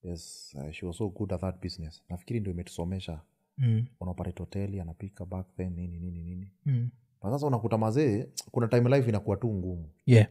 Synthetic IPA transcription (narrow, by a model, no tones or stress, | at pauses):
jɛsa̰ʃiɔsoɡudaðat̚biznɛsnafikiɾindiɔimɛtu̥sɔmɛʃa | unaɔpatɛtɔtɛlianapikabakðɛnnininininini | asas̬aunakutamazɛkunatajmlajfinakuwatuŋɡumujɛ